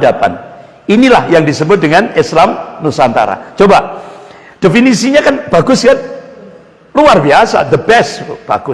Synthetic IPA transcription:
dapa̰n | inilahjaŋdisəbʊt̪̚dəŋanɪslamnusant̪a̰ɾa̰t͡ʃoba | d̥efinisiɲakanb̥aɡʊsɡan | luarbiasa̰d̪əbɛstb̥aɡʊ

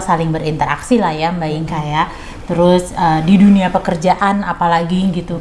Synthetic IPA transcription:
salɪŋbəɾint̪əɾa̰ksilahjambaɪŋkajaʔ | t̪əɾʊsəːdiduniapəkərd͡ʒaʔanapalaɡiɡit̪u

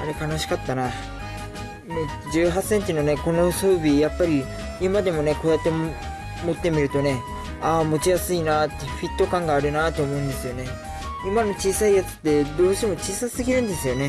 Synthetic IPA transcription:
aɾe̞kanaɕi̥kat̪ːana | mo | d͡ʑɨːɦase̞ɲ̟t͡ɕino̞ne̞ko̞no̞so̞ːbʲijapːaɾʲi | imad̪e̞mo̞ne̞ko̞d̪at̪e̞ | mo̞t̪ːe̞mʲiɾɯ̟t̪o̞ne̞ | aːmo̞t͡ɕijasɨinat̪ːeɸʲit̪ːo̞kãŋɡaːɾɯ̟nat̪o̞ːmo̞ɯ̃nd̪e̞sɨjo̞ne̞ | imano̞t͡ɕiːsaijat͡sɨ̥t̪ːe̞d̪o̞ːɕi̥t̪e̞mo̞t͡ɕiːsasɨɡʲiɾɯ̟̃nd̪e̞sɨjo̞ne̞

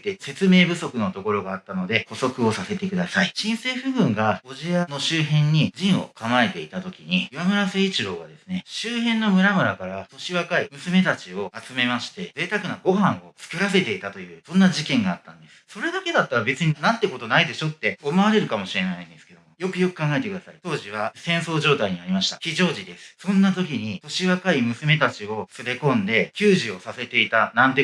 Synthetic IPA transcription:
t̪ːese̞t͡sɨme̞ːbɯ̟so̞kɯ̟no̞t̪o̞ko̞ɾo̞ɡaːt̪ːano̞d̪e̞ho̞so̞kɯ̟o̞sase̞t̪e̞kɯ̟d̪asaiɕĩɰ̃se̞ːɸɯ̟ɡɯ̟̃ŋɡaoʑiano̞ɕɨːɦẽ̞ɲ̟ːiʑĩɰ̃o̞̰kamae̞t̪e̞it̪at̪o̞kʲiɲ̟iɯβamɯ̟ɾaseːit͡ɕiɾo̞ːɡa̰d̪e̞sɨne̞ɕɨːhẽ̞nːo̞mɯ̟ɾamɯ̟ɾakaɾat̪o̞ɕiβakaimɯ̟sɨme̞t̪at͡ɕio̞at͡sɨme̞maɕi̥t̪e̞ze̞ːt̪akɯ̟naɡo̞hãɰ̃o̞t͡sɨ̥kɯ̟ɾase̞t̪e̞it̪at̪o̞jɯ̟ːsõ̞nːaʑikẽ̞ŋɡaːt̪ːãnd̪esso̞ɾe̞d̪ake̞d̪at̪ːaɾabe̞t͡sɨɲ̟inãnt̪e̞ko̞t̪o̞naid̪e̞ɕo̞t̪ːe̞komaβaɾe̞ɾɯ̟kamo̞ɕiɾe̞naĩnd̪e̞sɨ̥ke̞d̪o̞mojo̞kɯ̟jo̞kɯ̟̥kãŋɡae̞t̪e̞kɯ̟d̪asa̰it̪o̞ːʑiβ̞asẽ̞ɰ̃so̞ːʑo̞ːt̪aiɲ̟iaɾʲimaɕi̥t̪akʲiʑo̞ːʑid̪e̞sɨɨ̥sõ̞nːat̪o̞kʲiɲ̟it̪o̞ɕiβakaimɯ̟sɨme̞t̪at͡ɕio̞sɨbe̞kõ̞nd̪e̞kʲɨːʑio̞sase̞t̪e̞it̪anãnt̪e̞

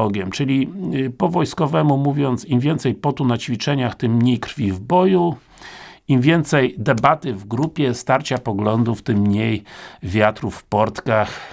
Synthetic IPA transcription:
ɔɡʲjɛmt͡ʂɘlʲipɔvɔjskɔvɛmumuvʲjɔnt̪simvʲjɛnt̪sɛjpɔt̪unat͡ɕfʲit͡ʂɛɲaxt̪ɘmːɲejkɾfʲivbɔju | imvʲjɛnt̪sɛjd̪ɛbat̪ɘvɡɾupʲjɛst̪aɾt͡ɕapɔɡlɔnd̪uft̪ɘmːɲejvʲjat̪ɾufːpɔɾt̪kax

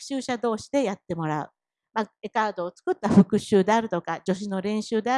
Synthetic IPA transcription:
ɯ̥ɕɨːɕad̪o̞ːɕi̥d̪e̞jat̪ːe̞mo̞ɾaɯ̟̰ | mae̞kaːd̪o̞ːt͡sɨ̥kɯ̟t̪ːaɸɯ̟kɯ̟ɕɨːd̪e̞aɾɯ̟t̪o̞kad͡ʑo̞ɕ̬ino̞ɾẽ̞ɰ̃ɕɨːd̪e̞a

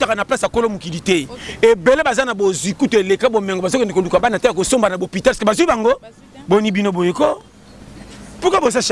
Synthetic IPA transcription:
utakanaplasakolomukilitɛebelebazanabozwikutoelekabomɛŋɡobazokɛndekolukabanataakosombanabopitalskebazibaŋɡo | bonibinobojeko | pukabozaʃ

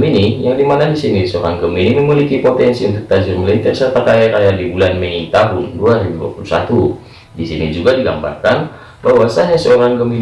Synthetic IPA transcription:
minijaŋdimanadisinisəo̰ɾa̰ŋɡəminimimilikipot̪ɛnsiunt̪ʊk̚t̪ad͡ʒɪrməlint̪ɛsərt̪at̪ajaɾajadibulanmɛit̪aɦʊnduaɾibudua̰pulusa̰t̪u | disinid͡ʒuɡadiɡa̰mba̰rkan | baɦwasaɲasəoɾaŋɡəmin

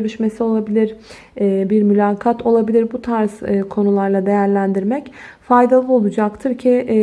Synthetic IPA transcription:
ɾiʃme̞sio̞lˠabilʲiɾː | biɾmylʲaːkʰat̪ʰo̞lˠabilʲiɾbut̪ʰaɾskʰo̞nulˠaɾlˠad̪e̞jæɾlʲænd̪iɾmɛcfajd̪alˠɯo̞lˠud͡ʒakt̪ʰɯɾcʰɪ

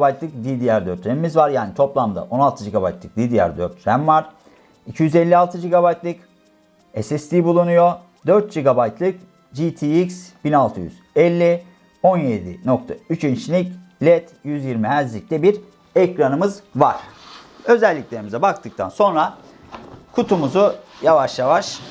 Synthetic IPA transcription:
bajt̪lˠɯk̚d̪id̪ijæɾd̪øɾt̪ʰɾemimizvaɾjaːnit̪ʰo̞plˠamd̪a̰ʔo̞nalˠt̪ʰɯd͡ʒiɡaba̰jt̪lˠɯ̥k̚d̪id̪ijæ̰ɾd̪ø̰ɾt̪ʰɾæmvaɾ̥ | icʰijyzɛlʲːialˠt̪ʰɯd͡ʒiɡabajt̪lˠɯk | ɛsɛst̪ʰibulˠunujo̞ | d̪øɾt̪̚d͡ʒiɡabajt̪lˠɯk | d͡ʒit̪ʰiiksb̥inalˠt̪ʰɯjy̰z̥ɛlʲːi | o̞njed̪ḭno̞k̚t̪ʰa̰yt͡ʃʰynt͡ʃlʲiclʲɛt̪jyzjiɾmiɦæɾzlʲic̚lʲɛbiɾ | ɛcɾanɯmɯzvaɾ̥ø̞zɛlʲːicʲlʲe̞ɾimizɛbak̚t̪ʰɯk̚t̪ʰa̰nso̞nɾa | kʰut̪ʰumuzujavaʃjavaʃ

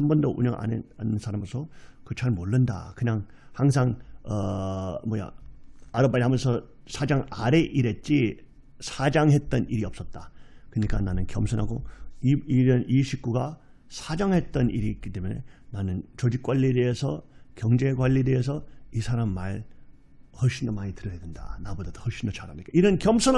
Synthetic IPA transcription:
hambʌndoʔuɲʌŋʔa̰nannsʰaɾamosʰʌkɯt͡ɕʰaɭmoɭːɯnda̰kɯɲaŋ | haŋs̬ʰaŋʌmʌja̰aɾɯpːaɾiɦamjʌnsʰʌ | sʰad͡ʑaŋaɾe̞ʔiɾe̞t̚t͡ɕ͈i | sʰad͡ʑaŋɦe̞t̚t͈ʌniɾiʌp̚s͈ʌt̚t͈akɯɲik͈ananɯnkjʌmsʰɯnɦaɡoiiɾʌniɕʰik̚k͈uɡa | sʰad͡ʑaŋɦe̞t̚t͈ʌniɾiːk͈it͈e̞mjune̞nanɯnt͡ɕod͡ʑik͈waʎːiede̞esʰʌkjʌŋd͡ʑe̞ɡwaʎːiede̞es̬ʰʌisʰaɾamːaɭ | hʌɕʰinʌmaɲitɯɾʌjadenda̰nabodadohʌɕʰinʌt͡ɕʰaɾamɲik͈aiɾʌnkjʌmsʰʌn

